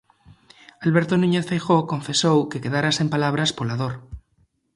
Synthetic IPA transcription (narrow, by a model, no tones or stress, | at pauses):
alβeɾt̪onũɲeθfejxokõ̞ɱfe̞sowkeke̞ðaɾase̞mpalaβ̞ɾaspolað̞oɾ